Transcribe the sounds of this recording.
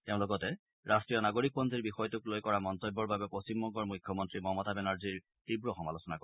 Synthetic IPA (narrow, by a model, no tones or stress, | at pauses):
teʊ̃lɔɡɔtɛ | ɹʔastɹijɔnaɡoɹik̚pɔnziɹbixɔjɔtʊklojkɔɹamɔntɔjbːɔɹbabɛpɹost͡ɕimbɔŋkɔɹmujkʰjɔmɔntɹimɔmɔtabɛnaɹziɹ | tibɹɔxɔmalosɔnako